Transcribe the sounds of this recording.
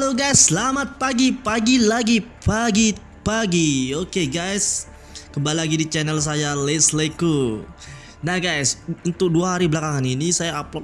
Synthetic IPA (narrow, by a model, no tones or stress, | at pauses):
aloɡajsːlamat̪̚paɡipaɡilaɡipaɡi | paɡiokeɡajs | kəmbalilaɡidit͡ʃɛnɛls̬ajalesleku | nahɡajsunt̪ʊk̚duaɦaɾibəlakaŋaninisajaːplɔt